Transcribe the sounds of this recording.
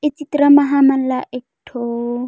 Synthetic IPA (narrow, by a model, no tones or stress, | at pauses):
ɪt͡sitiɾamaɦaman̩laʔɛktʰoː